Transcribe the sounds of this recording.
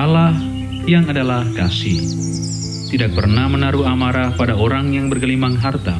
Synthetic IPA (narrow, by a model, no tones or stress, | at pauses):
alah | jaŋadalahkasɪh | t̪idak̚pərnamənaɾuamaɾapadaoɾaŋjaŋbərɡəlimaŋɦart̪a